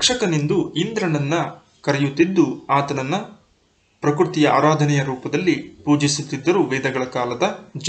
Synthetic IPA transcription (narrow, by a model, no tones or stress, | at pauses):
kʂɐkɐnind̪uind̪ɾɐɳɐnːɐ | kɐɾɛjut̪ːid̪ːuaːt̪ɐnɐnːɐ | pɾɐkɾut̪ijɐa̰ːɾaːd̪ʱɐnɛjɐɾuːpɐd̪ɐlːipuːd͡ʒisut̪ːid̪ːɐɾuːʋɛːd̪ɐɡɐɭɐkaːlɐd̪ɐd͡ʒ